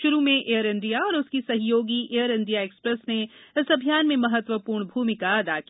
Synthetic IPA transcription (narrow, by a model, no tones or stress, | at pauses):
ʃʊɾumẽʔejəɾɪ̃nd̪ijaɔːɾʊskisɐɦjoːɡiʔejəɾɪ̃nd̪ijaeːkspɾɛsneɪsɐbʱijaːnmẽmɐɦət̪ʋəpuːɾɳbʱuːmɪkaɐd̪a̰ki